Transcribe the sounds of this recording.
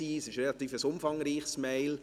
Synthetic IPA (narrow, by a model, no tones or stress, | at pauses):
iːəsɪʃɾelɑt̪iːfəsʊmfɑŋɾiːχsmɛɪl